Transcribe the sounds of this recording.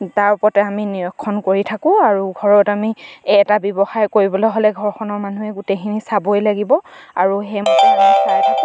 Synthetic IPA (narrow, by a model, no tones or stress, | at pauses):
taɹupɔtɛaminijɔkʰːɔnkoɹitʰakʊ̃aɹuɡʱɔɹɔtamiɛtabɔbɔxajkoɹibɔlojɦolɛɡʱɔɹxʰɔnɔɹmanuɦɛɡutekʰinisabojlaɡibɔaɹuɦɛmɔaɔsaɹtʰak